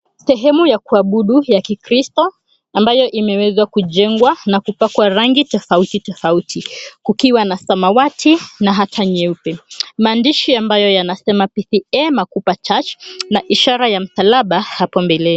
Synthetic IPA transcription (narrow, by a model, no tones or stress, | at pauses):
sɛɦɛmujakuaɓuɗujakikɾistɔ | ambajɔʔimɛwɛzwakuʄɛŋɡwanakupakwaɾaŋɡitɔfautitɔfautʰikukiwanasamawatʰinaɦatʰaɲɛupɛmaːndiʃiambajɔjanasɛmapiθiɛmakupat͡ʃat͡ʃnaʔiʃaɾajam̩salaɓahapɔmbɛlɛ